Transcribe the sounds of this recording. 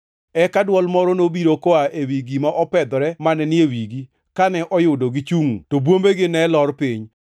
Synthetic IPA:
ɛkadwɔlmɔɾɔnobiɾokoaʔewiɡimaʔɔpɛd̪ɔɾɛmanɛnɪewiɡi | kanɛʔɔjʊdoɡɪt͡ʃuŋutobwombeɡɪnɛlɔrpiɲ

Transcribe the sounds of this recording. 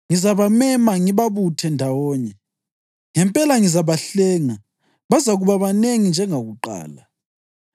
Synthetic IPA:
ŋizaβamɛmaŋiβaβutʰɛndʱawɔːɲɛ | ŋɛmpʼɛlaŋizaβaɬɛːŋa | βazaɣuβaβaneŋind͡ʒʱɛŋaɣuǃa̰ːla

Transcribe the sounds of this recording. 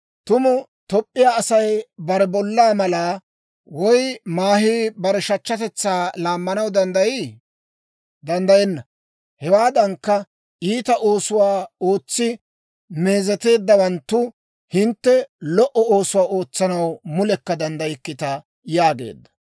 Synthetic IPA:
t̪ʊmʊ | t̪ɔpʼːɪjaːsɐjbɐɾɛbɔlːaːmɐla | wɔjmaːɦiːbɐɾɛʃɐt͡ʃːɐt̪ɛt͡sːaːlaːmːɐnɐwd̪ɐnd̪ɐjiː | d̪ɐnd̪ɐjɛnːɐ | hɛwaːd̪ɐŋkːɐ | ʔiːt̪ɐʔo̞ːsʊwaːo̞ːt͡sːɪ | meːzɛt̪e̞ːd̪ːɐwɐnt̪ːʊ | hɪnt̪ːɛlɔʔɔo̞ːsʊwaːo̞ːt͡sːɐnɐwmʊlɛkːɐd̪ɐnd̪ɐjɪkːɪt̪ɐ | jaːɡe̞̰ːd̪ːɐ̥

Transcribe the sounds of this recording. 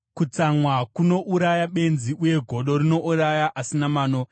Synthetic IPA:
kut͡samwakuno̞ʔuɾajaɓe̞nziʔuje̞ɡʱo̞ɗo̞ɾino̞ʔuɾajaʔasinamaːno

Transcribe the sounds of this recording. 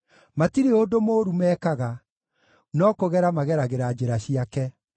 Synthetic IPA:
matiɾeodomoːɾumɛːkaɣa | nɔkoɣɛɾamaɣɛɾaɣeɾad͡ʑeɾaɕiakɛ

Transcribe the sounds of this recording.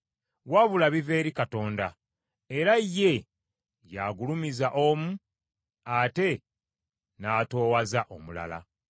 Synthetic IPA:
waβulaβive̞ːɾikato̞ːnda | e̞ɾajːe̞ | jaɡulumizaʔo̞mu | ate̞ | naːto̞ːwazaʔomula̰la̰

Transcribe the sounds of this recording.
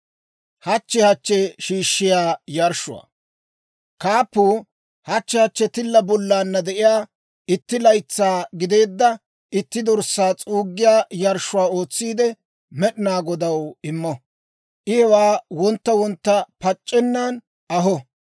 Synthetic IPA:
hɐt͡ʃːɛhɐt͡ʃːɛʃiːʃːɪjaːjɐɾʃʊwa̰ː | kaːpːuː | hɐt͡ʃːɛhɐt͡ʃːɛt̪ɪlːɐbɔlːaːnːɐd̪ɛʔɪjaː | ɪt̪ːɪlɐjt͡sːaːɡɪd̪e̞ːd̪ːɐ | ʔɪt̪ːɪd̪ɔɾsːaːt͡sʼuːɡːɪjaːjɐɾʃʊwaːo̞ːt͡sːiːd̪ɛ | mɛɗɪnaːɡɔd̪ɐwɪmːɔ | ʔɪhɛwaːwɔnt̪ːɐwɔnt̪ːɐpɐt͡ʃʼːɛnːaːn | ʔɐɦɔ

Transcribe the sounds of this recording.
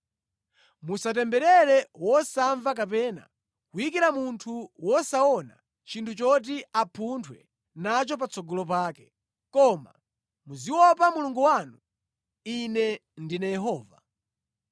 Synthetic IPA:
musatɛmbɛɾɛɾɛwɔsaɱvak̬apɛːna̰ | kujik̬iɾamuntʰuwɔsaɔna̰ | t͡ʃintʰut͡ʃɔt̬iapʰuntʰwɛ̰ | nat͡ʃɔp̬at͡sʰɔɡɔlɔp̬aːkɛ̥ | kɔma̰ | muziwɔpamuluŋɡuwanu | inɛndinajɛɦɔːva

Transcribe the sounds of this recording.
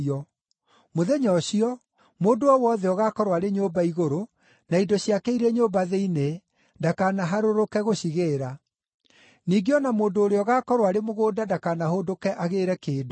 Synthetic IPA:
ɔ | moðɛɲɔɕiɔ | moːndoɔwɔðɛɔɣakɔɾwaɾeɲoːbaiɣoɾo | naidɔɕiakɛiɾɛɲoːbaðeine | ndakanaɦaɾoɾokɛɣoɕiɣeːɾa | niːɡeɔnamoːndoːɾeɔɣakɔɾwaɾemoɣoːdadakanahoːdokɛʔaɣeːɾɛkeːdo

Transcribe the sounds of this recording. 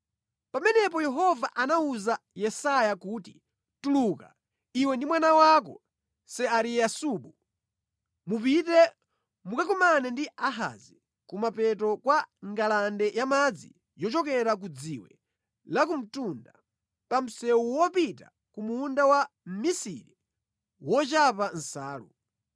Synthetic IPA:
pamɛnɛp̬ɔjɛɦɔvaʔanauza | jɛsajakuːti | tuluka̰ | iwɛndimwanawak̬ɔ̰ | sɛaɾiasuːɓu | mup̬itɛ | mukakɔmanɛndiaɦa̰zi | kumapɛtɔkwaŋɡalandɛjamad͡zḭ | jɔt͡ʃɔkɛɾak̬ud͡ziwɛ̰ | lak̬um̩tunda | pam̩sɛwuwɔpita̰ | kumuːndawa | m̩misḭɾi | wɔt͡ʃapan̩saːlṵ

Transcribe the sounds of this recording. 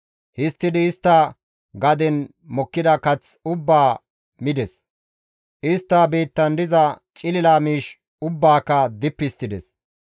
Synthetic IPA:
hɪst̪ːɪd̪ɪːst̪ːɐ | ɡɐd̪ɛn | mɔkːɪd̪ɐkɐt͡sʊbːaː | mɪd̪ɛs | ʔɪst̪ːabeːt̪ːɐnd̪ɪzɐt͡ʃʼɪlɪlaːmiːʃ | ʊbːaːkːɐd̪ɪpːɪst̪ːɪd̪ɛs

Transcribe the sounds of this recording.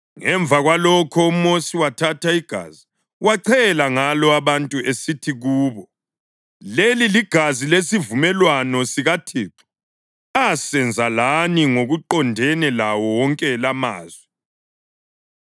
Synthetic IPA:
ŋɛɱb̪vʱaɣwalɔkʰɔumosiwatʰatʰaiɡ̥ʱa̰zi | waǀʰɛlaŋalɔaβantʼuesitʰiɣuːβɔ | leliliɡ̥ʱazilesivumɛlwanɔsiɣatʰiːǁʰu̥ | asɛnd͡zʱalaniŋoɣuǃɔndʱɛnɛlawɔwɔŋkʼɛlama̰ːzwɛ

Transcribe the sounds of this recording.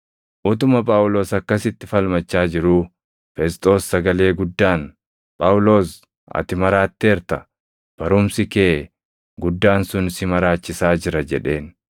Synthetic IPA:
ʔʊt̪ʊmɐpʼaːwʊlo̞ːsɐkːɐsɪt̪ːɪfɐlmɐt͡ʃːaːd͡ʒɪɾuː | fɛst̪ʼo̞ːsːɐɡɐle̞ːɡʊd̪ːaːn | pʼaːwʊlo̞ːs | ɐ̰t̪ɪmɐɾaːt̪ːeːɾt̪ɐ | b̥ɐɾʊmsɪkeː | ɡʊd̪ːaːnsʊnsɪmɐɾaːt͡ʃːɪsaːd͡ʒɪɾɐd͡ʒɛᶑe̞ːn

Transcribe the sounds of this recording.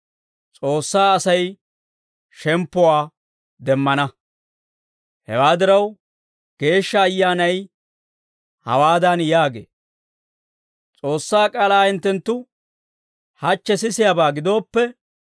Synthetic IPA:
t͡sʼo̞ːsːaːɐsɐj | ʃɛmpːɔwaː | d̪ɛmːɐnɐ | hɛ̰waːd̪ɪɾɐw | ɡ̥e̞ːʃːɐːjːaːnɐj | hɐ̰waːd̪ɐnjaːɡḛː | t͡sʼo̞ːsːaːkʼaːlaːhɪnt̪ːɛnt̪ːʊ | hɐt͡ʃːɛs̬ɪsɪjabaːɡɪd̪o̞ːpːɛ

